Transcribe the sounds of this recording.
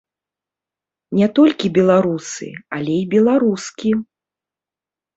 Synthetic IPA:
nʲɛt̪ɔlʲkʲibʲɛlˠaɾusɨ̰alʲɛibʲɛlˠaɾuskʲi

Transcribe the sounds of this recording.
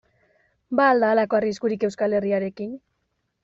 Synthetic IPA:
baːld̪aːlako̞ariskuɾike̞wskale̞riaɾe̞kin

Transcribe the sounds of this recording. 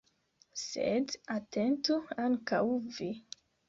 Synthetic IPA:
sḛdatʰentuaŋkawvi

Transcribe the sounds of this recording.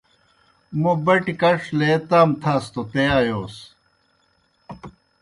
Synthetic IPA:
mobɐʈikɐʂʰlet̪aːmt̪ʰast̪ot̪ejaːjoːs

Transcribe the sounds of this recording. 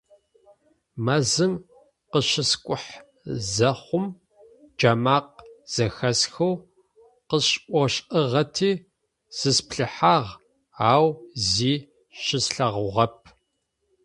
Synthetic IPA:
mɐzɨn | qəʃɪskʷʼʊħ | zɐχʷʊm | d͡ʒamaːq̚z̥ɐxɐsxɐw | qəɕʼʔʷɔʃʼəʁɐtʰiː | z̥ɨspɬɨħaːʁ | aːwziː | ɕɪsɬɐʁʊʁɐp̚ʰ

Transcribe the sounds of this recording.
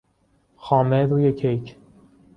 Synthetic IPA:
xɒːmed̪ujekʰejcʰ

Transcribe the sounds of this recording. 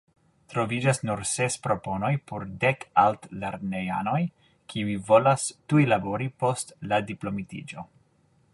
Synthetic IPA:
tɾo̞vid͡ʒasnuɾsespɾo̞po̞no̞jpʰoɾdekaltleɾneja̰no̞j | kʰiivo̞lastujlaboɾipo̞stladiplo̞mitḭd͡ʒo̞

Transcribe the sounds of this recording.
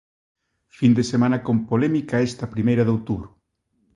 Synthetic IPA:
find̪esemãnɐkompolɛmikaest̪apɾimejɾɐðowt̪uβɾʊ

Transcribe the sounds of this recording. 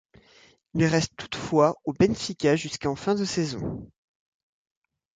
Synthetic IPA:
ilʁɛst̪t̪ʰːu̥t̪fwaobɛnfikʲaʒyskɑ̃fɛ̃d̪əsezɔ̃

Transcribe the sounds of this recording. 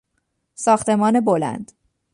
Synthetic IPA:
sɒːxt̪ʰe̞mɒːne̞bolæ̰nd̪̥

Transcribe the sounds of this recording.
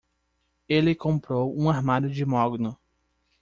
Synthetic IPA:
elɪkõmpɾowũaɾmaɾʊd͡ʒɪmɔɡnʊ

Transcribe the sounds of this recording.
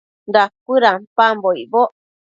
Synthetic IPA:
nd̪akɨɾampamboiboʔ

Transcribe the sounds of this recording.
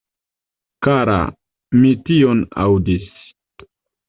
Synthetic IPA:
kaɾa̰ | mitiona̰wdis

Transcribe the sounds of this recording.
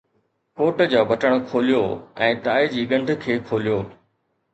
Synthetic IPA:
koːʈd͡ʑoːbʱɐʈəɽ̃̆kʰoːlijoɛ̃ːt̪aːed͡ʑiːɠɐ̃ɳɖʱkʰeːkʰoːlijoː

